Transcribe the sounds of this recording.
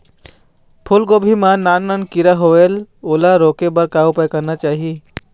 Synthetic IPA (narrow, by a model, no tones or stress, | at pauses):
pʰʊlɡobʱimanaːnmənkiɾaɦoʋelolaɾoːkebəɾkaupəjkəɾnat͡ʃaːɦi